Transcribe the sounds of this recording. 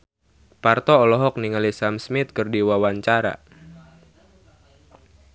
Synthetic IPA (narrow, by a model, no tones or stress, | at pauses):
part̪ɔːlɔɦɔk̚niŋalisamsmit̪̚kɨrdiwawaɲt͡ʃaɾa̰